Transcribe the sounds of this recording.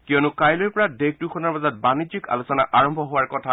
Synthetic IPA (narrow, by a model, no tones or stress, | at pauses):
kijɔnʊkajlɔɹpɔɹadeɡ̚dukʰɔnaɹbazat̚banizika̰lusɔnaʔaɹɔmbʱɔɦʊwaɹkɔtʰa